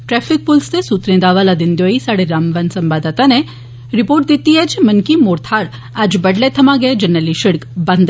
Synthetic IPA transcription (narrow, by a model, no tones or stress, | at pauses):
ʈɾɛːfʰɪk̚pulst̪esuːt̪ɾẽd̪aːʋalad̪ɪnd̪joːisaːɽeɾaːmʋansɐmbaːd̪at̪ane | ɾɪpoːɾʈ̚d̪it̪ːiɦɛt͡ʃʰmɐnkimoːɾt̪ʰaːɾ | aːd͡ʒbɐɖlet̪ʰɐmaɡɐed͡ʒɐnːəliʃɪɽkbɐnd̪